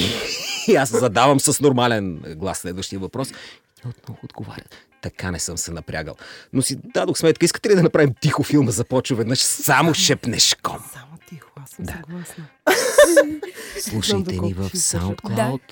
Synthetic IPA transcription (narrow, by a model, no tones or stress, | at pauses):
aszɐd̪avɐmsəsnoɾmalɛnɡlˠasːlɛd̪vəʃt̪ijəvɐpɾɔs | t̪iɛot̪nɔvʊːd̪ɡova̰ɾʲə | t̪ɐkanɛsɤmsɛnɐpɾʲa̰ɡə̰lˠnosid̪ad̪oxsmɛt̪kəiskə̥t̪ɛlid̪ɐnɐpɾavimt̪ixʊfilˠməzɐpɔt͡ʃvəvɛd̪nəʃsamoʃɛpnɛʃkɔt̪id̪aa | slˠuʃɐt̪ɛnivəfsa̰wnt̪klˠawt̪